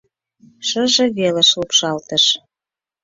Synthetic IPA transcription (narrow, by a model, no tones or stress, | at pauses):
ʃəʒĕβeleʃlupʃɑlt̪ə̆ʃ